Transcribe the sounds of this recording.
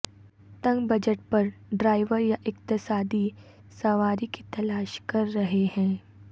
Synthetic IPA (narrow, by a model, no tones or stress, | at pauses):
t̪ɐ̃ŋɡbɐd͡ʒəʈ̚pɐɾɖɾaːɪʋəɾjaʔɪkt̪ɪsaːd̪i | sɐʋaːɾikit̪ɐlaːʃkɐɾːɐɦehɛ̃ː